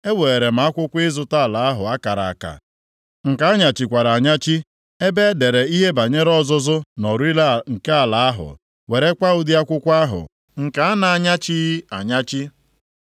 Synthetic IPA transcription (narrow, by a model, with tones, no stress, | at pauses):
e˦we˨e˨ɾe˨m̩˨a˦kʷʊ˦kʷɪ˦zʊ˦ta˦˨la˨a˦ɦʊ˨a˦ka˨ɾa̰˨a˨ka̰˨ | ŋ̩˨ka˨˦a˦ɲa˨t͡ʃi˨kʷa˨ɾa˨ɲa˦t͡ʃi˦ | e˦be˦de˨ɾe˨i˦ɦe˦ba˨ɲe˦ɾɔ˦zʊ˦zʊ˦nɔ˨ɾu˦i˦la˦˨ŋ̩˨ke˦a˨la˨a˦ɦʊ̰˨ | we˨ɾe˦kʷa˦ʊ˦di˦a˦kʷʊ˦kʷa˦ɦʊ̰˨ | ŋ̩˨ka˨a˦na˨a˨ɲa˦t͡ʃi˦i˦a˨ɲa˦t͡ʃi˦